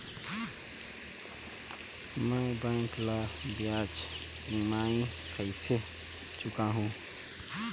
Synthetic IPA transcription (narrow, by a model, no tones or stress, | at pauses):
mɛ̃bə̃ŋklaːbjaːt͡ʃ | imaːĩ | kʰəɪse | t͡ʃʊkaɦũː